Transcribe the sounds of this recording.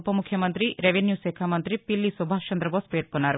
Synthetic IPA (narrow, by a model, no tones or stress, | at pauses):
pɐmukʰjɐmɐnt̪ɾiɾeʋenjuːseːkʰamɐnt̪ɾipilːisubʱaːt͡ʃʰɐnd̪ɾɐboːspeːɾkonːaːɾu